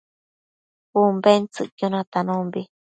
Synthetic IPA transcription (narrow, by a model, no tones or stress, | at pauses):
umbent͡sɨʔkjonãt̪anõmbi